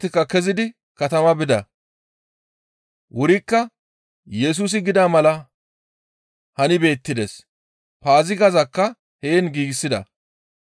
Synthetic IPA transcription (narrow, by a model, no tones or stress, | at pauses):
t̪ːɪkːɐkɛzɪd̪ɪ | kɐt̪ɐmɐbɪd̪ɐ̰ | wʊɾɪkːɐ | jɛs̬uːs̬ɪɡɪd̪aːmɐlɐ | hɐnɪbe̞ːt̪ːɪd̪ɛs | paːzɪɡɐzɐkːɐ | heːnɡiːɡɪsːɪd̪ɐ̰